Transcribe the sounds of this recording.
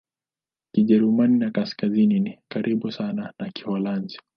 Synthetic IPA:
kiʄɛɾumaninakaskazininikaɾʔiɓusananakihɔlanzi

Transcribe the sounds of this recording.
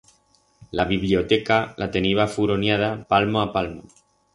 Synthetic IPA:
laβiβlio̞t̪ekalʔat̪e̞niβafuɾonjað̞apalmoapalmo

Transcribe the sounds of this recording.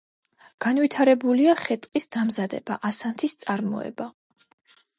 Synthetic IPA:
ɡ̥anwit̪ʰaɾɛbuliaχɛt̪ʼqʼisd̪amzad̪ɛbaʔasant̪ʰist̪sʼaɾmɔ̰ɛ̰ba

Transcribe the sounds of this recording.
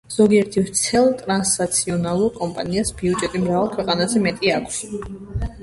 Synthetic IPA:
z̥ɔɡiɛɾt̪ʰivɾt̪sʰɛlˠt̪ʼɾansnat̪sʰiɔnalˠuɾkʼɔmpʼaniasbiud͡ʒʼɛt̪ʼimɾavalˠkʰwɛqʼanazɛmɛt̪ʼiakʷʰs

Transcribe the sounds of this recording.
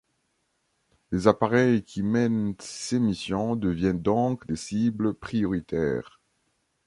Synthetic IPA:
lezapaʁɛjkʲʰimɛnsemisjɔ̃d̪əvjɛnd̪ɔ̃kd̪esibləpχijɔʁit̪ɛ̰ːʁ

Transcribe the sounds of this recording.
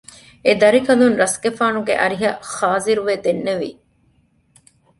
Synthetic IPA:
ed̪ɐɾikɐlunɾɐsɡefaːnuɡḛʔɐɾiɦɐχaːziɾuʋeːd̪enːeʋḭ

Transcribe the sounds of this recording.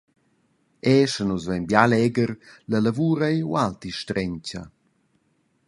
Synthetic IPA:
ɛʃənuzvɛnbjalɛɡəɾləlavuːɾajwalt̪iʃtɾɛɲca̰

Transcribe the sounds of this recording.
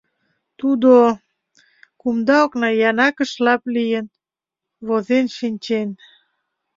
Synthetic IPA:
t̪ud̪o | kumd̪ɑoknɑjɑnɑkə̆ʃlɑplijən | βozenʃinʲt͡ɕen

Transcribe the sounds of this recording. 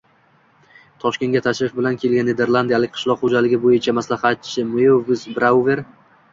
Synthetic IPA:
t̪ʰɒʃkʲe̞nɡʲat̪ʰaʃɾɪfbɪlankʲʰe̞lɡʲanːed̪e̞ɾlˠand̪ijalɪqʰɨ̥ʃlˠɒqχod͡ʒalɪɡʲɪbojɪt͡ʃʰamaslaχat̪t͡ʃʰːɪmojovɪsbɾawve̞ɾ

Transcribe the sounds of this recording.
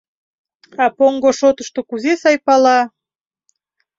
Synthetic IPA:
ɑpoŋɡoʃot̪əʃt̪okuzesɑjpɑlɑ

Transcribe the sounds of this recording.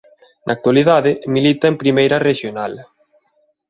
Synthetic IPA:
nʔa̰ːk̚t̪walið̞aðɪmilit̪ɐempɾimejɾɐreʃjonal

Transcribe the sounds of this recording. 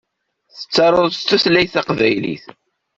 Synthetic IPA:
θə̥t͡sːɑɾˤoðt͡s̪ːuθlæjθɑqvæjlḭθ

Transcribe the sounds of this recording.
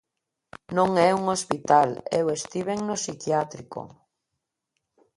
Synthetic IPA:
nõŋɛuŋospit̪alewest̪iβeŋnosikjat̪ɾiko̰

